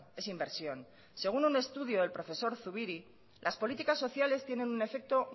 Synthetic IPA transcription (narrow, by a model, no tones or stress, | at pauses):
e̞simbe̞ɾsjo̞n | se̞ɣ̞unune̞st̪uðjo̞ðe̞lpɾo̞fe̞so̞ɾθuβiɾi | lʔaspo̞lit̪ikasːo̞θjale̞st̪jene̞nune̞fe̞k̚t̪o̞